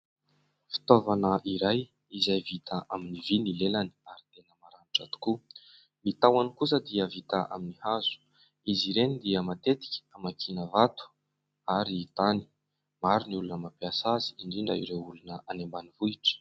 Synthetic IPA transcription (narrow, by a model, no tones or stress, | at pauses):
fi̥t̪ovanəʔiɾaj | izajvit̪aʔaminivinilelani̥aɾit̪enəmaɾaniʈ͡ʂat̪u̥ku | mit̪awanikus̬əd̪iəvit̪aʔa̰minihazu̥ | iziɾenid̪iəmat̪et̪i̥kʲi̥amakʰinəvat̪u̥ | aɾiːt̪ani̥ | maɾuniulunəmapiasazi̥iɳɖ͡ʐiɳɖ͡ʐa̰ḭɾeulunəanembanivuiʈ͡ʂə̥